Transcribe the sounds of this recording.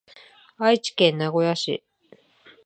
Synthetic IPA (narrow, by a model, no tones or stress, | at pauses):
ait͡ɕi̥kẽnːaɡo̞jaɕḭ